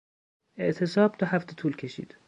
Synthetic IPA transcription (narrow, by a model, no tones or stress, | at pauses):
eʔt̪ʰe̞sɒːb̥̚t̪ʰɒːhæft̪ʰet̪ʰuːlkʲʰe̞ʃḭːd̪̥